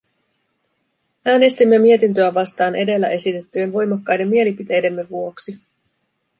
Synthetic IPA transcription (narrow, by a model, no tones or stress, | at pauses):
æːne̞st̪imːe̞mie̞t̪int̪̬øæʋɑst̪ɑːnʔe̞de̞lːæʔe̞sit̪e̞t̪ːye̞nʋo̞jmɑkːɑjde̞mːie̞lipit̪e̞jde̞mːe̞ʋuo̞ksi